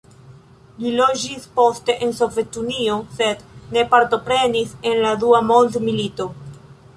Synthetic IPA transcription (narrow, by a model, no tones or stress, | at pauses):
lilod͡ʒispo̞ste̞ʔenso̞ve̞tunio̞sed̪ne̞paɾto̞pɾe̞nisenlad̪uamold̪milito̞